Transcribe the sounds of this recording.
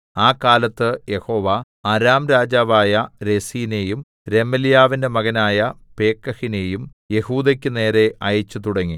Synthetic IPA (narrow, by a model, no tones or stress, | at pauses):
aːkaːlɐt̪ːɨje̞ho̞ːʋɐ | ɐɾaːmɾaːd͡ʑaːʋaːjɐɾe̞siːne̞ːjum | ɾe̞mːɐlijaːʋinde̞mɐɣɐnaːjɐpe̞ːkːɐhine̞ːjum | je̞huːd̪ɐkʲːɨne̞ːɾe̞ɐjɐt͡ɕːut̪̬uɽɐŋːi